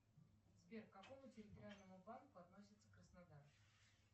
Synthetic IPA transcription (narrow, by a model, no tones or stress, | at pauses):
zbʲerkːɐko̞mʊtʲɪɾʲɪt̪əɾʲɪalʲnəmʊbankʊɐt̪nosʲɪt̪səkɾəsnad̪aɾ